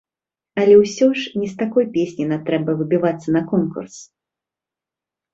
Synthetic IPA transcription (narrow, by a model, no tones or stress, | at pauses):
ɐlʲɛwsʲɔʂnʲist̪akɔjpʲesʲnʲinat̪ɾɛbɐvɨbʲivat̪sːɐnɐkɔnkṵrs